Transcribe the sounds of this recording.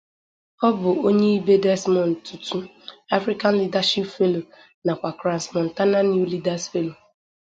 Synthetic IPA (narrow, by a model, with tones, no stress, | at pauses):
ɔ˦bʊ˨o˦ɲe˦i˦be˦dɛ˦smɔ˨n̩˨tu˨tu˦ | a˦fɾi˦ka˦n̩˦li˦da˦ʃi˦pfe˦lo˨ | na˨kʷa˨kɾa˨n˨smɔ˨n̩˨ta˦na˦nju˦li˦da˨sfe˦lo˨